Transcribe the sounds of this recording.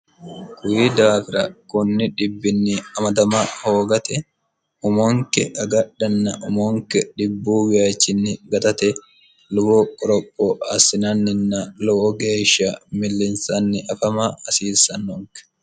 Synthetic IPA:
kʊjid̪aːfɪɾɐkʊnːɪᶑɪbːɪnːɪɐmɐd̪ɐmɐhoːɡɐt̪ɛ | ʊmɔŋkɛʔɐɡɐɗːɐnːɐʔʊmɔŋkɛᶑɪbːuːwɪjat͡ʃːɪnːɪɡɐt̪ɐt̪ɛ | lʊbɔkʼɔɾɔpʼːɔʔɐsɪnɐnːɪnːɐlɔwɔɡe̞ːʃːɐmɪlːɪnsɐnːɪʔɐfɐmɐɐsiːsːɐnːɔŋkɛ̥

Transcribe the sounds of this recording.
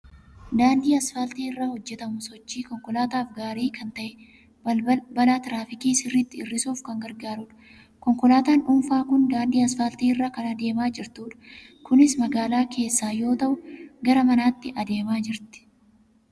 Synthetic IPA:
d̪aːld̪iːɐsfɐlt̪iːɪrːahɔd͡ʒːɛt̪ɐmʊsɔt͡ʃːiːkɔŋkɔlaːt̪aːfɡaːɾiːkʰɐnt̪ɐʔɛ | bɐlaːt̪ɪɾaːfɪkiːsɪrːɪt̪ːɪɪrːɪsuːfkɐŋɡɐɾɡaːɾʊᶑɐ̥ | kɔŋkɔlaːt̪aːnᶑʊmfaːkʊnd̪aːnd̪iːɐsfɐːlt̪iːɪrːaːkɐnɐd̪e̞ːmaːd͡ʒɪɾt̪uːᶑɐ̥ | kʊnɪsmɐɡaːlaːkʰe̞ːsːaːjo̞ːt̪ɐʔʊɡɐɾɐmɐnaːt̪ːɪʔɐd̪e̞ːmaːd͡ʒɪɾt̪ɪ̥

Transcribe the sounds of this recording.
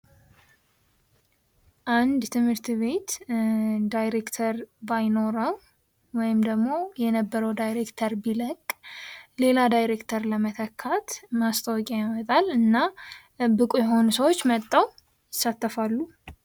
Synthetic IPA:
ʔand̪t̪ʰɨmhɨɾt̪βe̞t̪ | d̪ajɾe̞kt̪ʰəɾbajno̞ɾəw | wɔjɪmd̪əɡmo̞jɛnəbːəɾəwd̪ajɾekt̪ʰəɾbiləkʼle̞lad̪ajɾekt̪ʰəɾləmət̪ʰəkʰːat̪mast̪ʰəwɔkʼajamət̪ʼalɨnːa | bɨkʼujɛɦo̞nusəwo̞t͡ʃːmət̪ʼːaw | jɪsːat̪ːəfalːu

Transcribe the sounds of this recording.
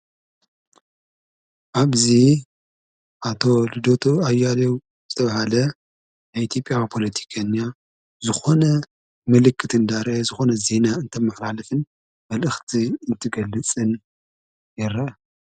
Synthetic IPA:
ʔaβzi | ʔat̪ʰo̞lɨd̪ot̪ʰoajːalew | z̥ɨt̪ʰɐβahalɐ | najit̪ʰjo̞pʼːjapʰo̞lɐt̪ʰi̥kʰana | zɨxo̞nɐ | mɨlɨkʰːɨt̪ʰɨnd̪aɾzɨxo̞nɐze̞naɨnt̪ʰɐmːɨħlalɐfɨn | mɐlʔɨxt̪ʰiɨnt̪ʰɨɡɐlːɨt͡sʼɨn | jɪɾʔa

